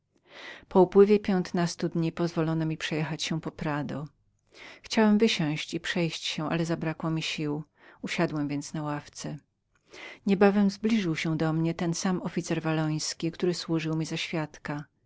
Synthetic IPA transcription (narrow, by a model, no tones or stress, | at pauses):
pɔupwɘvʲjɛpʲjɛnt̪nast̪ud̪ɲipɔzvɔlɔnɔmʲipʂɛjɛxat͡ɕɕɛpɔpɾad̪ɔ | xt͡ɕawɛmvɘɕɔ̃w̃ɕt͡ɕipʂɛjɕt͡ɕɕɛ̃ʔa̰lɛzabɾakwɔmʲiɕiw | uɕad̪wɛmvʲjɛnt̪snawaft̪sɛ | ɲɛbavɛmzblʲiʐɘwɕɛ̃d̪ɔmɲɛt̪ɛnsamɔfʲit̪sɛɾvalɔj̃skʲikt̪uɾɘswuʐɘwmʲizaɕfʲjat̪ka